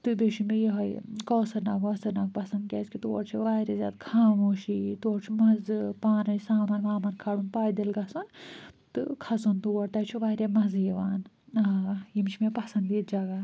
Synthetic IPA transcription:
t̪ɨbeʃumijiɦɐjkɔːsɐɾnaːkɔːsɐɾnaːk̚pɐsɐnd̪̚kʲaːskʲit̪uɔ̰ɽt͡ʃʰiʋaːɾezʲa̰ːd̪kʰaːmoːʃit̪uɽt͡ʃʰumɐzpaːnɐnsaːmanʋaːmaɾkʰaːɽuːnpaːjd̪ilɡɐsuːnt̪ɨ̰kʰɐsunt̪uʋɐɽt̪ɐt͡ʃʰuʋaːɾʲemɐzjiʋaːn | jimt͡ʃʰimepɐsɐnd̪iːt̪̚d͡ʒɐɡa

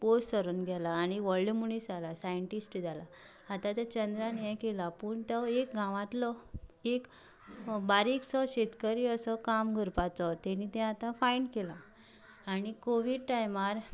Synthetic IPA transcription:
possəɾunɡʱɛlaːɽ̃iʋəɭɖmunisalasajəɳʈisʈd͡zalaː | t̪at̪at͡ɕənd̪ɾanjɛjkelapuːɳt̪əek̚ɡʱãʋãt̪lɔek | baɾiksɔɕet̪kəɾiəsəkamɡʱəɾpat͡sɔt̪ɛnit̪ɛ̃at̪ãfaiɳkelaː | ɽ̃ikoʋiɖʈajmaɾ

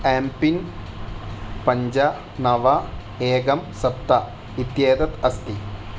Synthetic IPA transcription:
aːmpin | pɐɲd͡ʑɐ | nɐʋɐ | eːɡɐmsɐpt̪ːɐ | it̪jeːd̪ɐt̪ɐst̪i

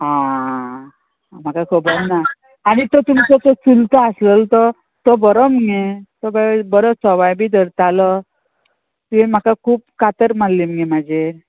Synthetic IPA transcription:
ɦã | m̤akakʰəbəɾna | añit̪ɔt̪umit͡sɔt͡sɔt͡sult̪əasləlt̪ɔ | t̪ɔbəɾɔməŋet̪ɔbəbəɾɔsɔʋajbiːd̪əɾt̪alɔ | t̪iẽm̤akakʰuːp̚kat̪əɾmalːiməŋemad͡ʑe

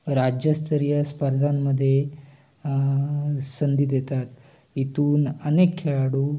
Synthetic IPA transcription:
ɾad͡ʑjəst̪əɾijəspəɾd̪ʱamːəd̪ʱːje | sənd̪it̪jet̪at̪ | it̪uːnənekʰːeɭaɽuː

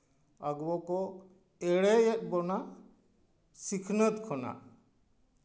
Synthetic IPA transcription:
aɡwɔkɔ | ɛɽɛɛt̪̚bɔna | sikʰnət̪kʰɔna̰

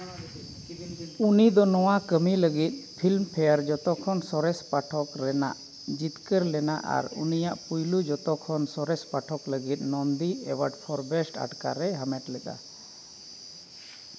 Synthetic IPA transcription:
unid̪ɔnɔwakəmiləɡit̪̚ˀpʰilmpʰɛjəɾd͡ʒɔt̪ɔkʰɔnsɔɾɛspaʈʰɔkɾɛna̰ʔ | d͡ʒit̪kəɾlɛna̰ʔa̰ɾṵnijaʔpujlud͡ʒɔt̪ɔkʰɔnsɔɾɛspaʈʰɔkləɡit̪̚ˀnɔnd̪iɛwəɖpʰɔɾbɛsʈa̰ʈka̰ɾɛɦamɛʈlɛt̪a̰

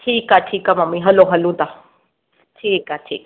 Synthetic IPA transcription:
ʈʰiːkaʈʰiːkamɐmːiɦɐloɦɐlũd̪a | ʈʰiːkaːʈʰḭːk

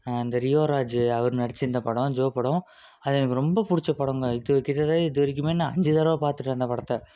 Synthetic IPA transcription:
ɪnd̪ɐɾɪjoːɾaːd͡ʒɐʋɐɾɯnɐɽɐt͡ʃːɪnd̪ɐpɐɽõd͡ʒoːpːɐɽʊ̃ | ɐðɛnɐkːɯɾɔmbɐpʊɽɪt͡ʃːɐpːɐɽõŋɡɐɪðɯɐkɪt̪ːɐðaːɪðɯʋɐɾɪk̬ʲːɯmeːnːaːɐ̰ɲd͡ʒɯðɐɾɐʋapaːɾt̪ɯʈːɐnd̪ɐpɐɽɐt̪ːɐ

